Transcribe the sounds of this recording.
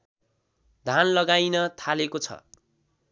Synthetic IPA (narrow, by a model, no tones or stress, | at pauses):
d̪ʱanlʌɡajnʌt̪ʰalekot͡sʰʌ̰